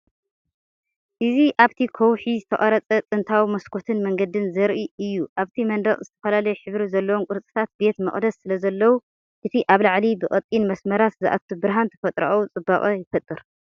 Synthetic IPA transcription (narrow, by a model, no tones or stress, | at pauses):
ʔɨziʔaβt̪ʰikʰowħizɨt̪ʰɐχʼɐɾɐt͡sʼɐt͡sʼɨnt̪ʰawimɐskʰo̞t̪ʰɨnmɐŋɡɐd̪ɨnzɐɾʔiɨjːuʔaβt̪ʰimɐnd̪ɐχʼzɨt̪ʰɐ̥fɐlalɐjɛħɨβɾizɐlːɐwonkʼɨɾt͡sʼɨ̥t̪ʰat̪̚be̞t̪mɐ̰χʼd̪ɐssɨlɐzɐlːɐwu | ʔɨt̪ʰiʔaβlaʕlibɨkʼɐt̪ʼinmɐsmɐɾat̪zɨʔa̰t̪t̪ʰːubɨɾɦant̪ʰɐfɐt̪ʼɾa̰ʔwut͡sʼɨbːaχʼɐjɪfɐt̪ʼːɨɾ